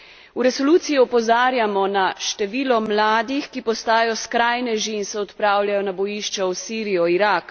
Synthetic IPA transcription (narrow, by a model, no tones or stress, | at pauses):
uɾɛsɔluːt̪sijiɔpɔzaːɾjamɔnaʃt̪ɛʋiːlɔmlaːd̪ixkipɔst̪aːjɔskɾajnɛʒiːnsɛɔt̪pɾaːwljajɔnabɔjiʃt͡ʃɛwsiːɾijɔiɾak